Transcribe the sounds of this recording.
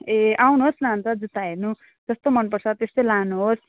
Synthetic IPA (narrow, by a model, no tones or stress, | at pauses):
eʔawnuɦoslant̪ʌd͡zut̪aɦernu | d͡zʌst̪omʌnpʌrt͡sʰʌt̪est̪ʌjlanuɦos